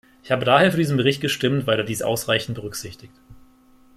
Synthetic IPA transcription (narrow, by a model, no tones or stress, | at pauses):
ʔɪçhaːbədaːheːɐfyːɐdiːzn̩bəʁɪçt̚ɡ̥əʃtɪmtvaɪleɐdiːsʔa̰ʊsʁaɪçn̩t̚b̥əʁʏkz̥ɪçtɪçt